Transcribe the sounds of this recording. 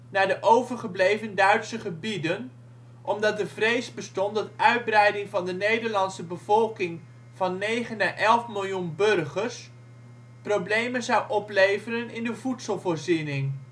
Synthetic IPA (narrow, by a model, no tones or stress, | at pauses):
naːɹdəʔowvəɹχəblejvəndœɥtsəχəbidən | ʔɔmdɑt̚dəvrejsbəstɔndɑtʔœɥd̚brɛjdɪŋvɑndənejdəɹlɑnsəbəv̥ɔlˠkɪŋ | v̥ɑnːejχənaːʔɛlˠfmɪlˠjunbɵrχəɹs | prowblejmənzɑwʔɔplejvərənɪndəvutsəlˠvoːɹzɪnɪŋ